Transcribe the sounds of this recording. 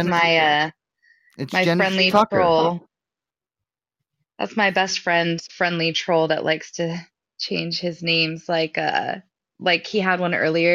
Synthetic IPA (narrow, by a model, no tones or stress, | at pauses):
maɪʌ | ɨmaɪɹɛ̃ndˡliɹɹ̥oʊlˠ | ðæ̰tsmaɪbɛstfɹɛ̃ndz̥fɹɛ̃ndˡlitʰɹ̥oʊlˠðə̰ʔlʔa̰ɪkstʰɨ | t͡ʃʰẽɪ̃nd͡ʒ̥hɨznẽɪ̃mz̥laɪkʌ̰ | laɪkhiəd̚wʌ̃nɜ̰˞lˠiə˞